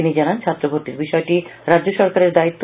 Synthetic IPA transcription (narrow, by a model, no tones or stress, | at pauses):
inid͡ʑanant͡ɕʰat̪ːɾobʱoɾʈ̪iɾbiʃɔeʈiɾadd͡ʑoʃɔɾkaɾeɾd̪ait̪ːo